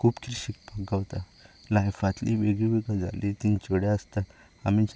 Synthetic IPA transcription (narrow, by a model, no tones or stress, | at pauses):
kʰuːpkɾiɕik̚paɡɡaʋt̪a | lajfat̪lḭʋeɡiʋiɡəd͡za̰lʔit̪int͡ɕəɽjaəst̪a | amit͡ɕ